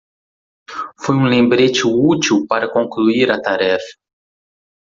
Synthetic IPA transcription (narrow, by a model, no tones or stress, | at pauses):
fojũlẽmbɾet͡ʃɪut͡ʃiwpaɾɐkõkluiɾɐt̪aɾɛfɐ̥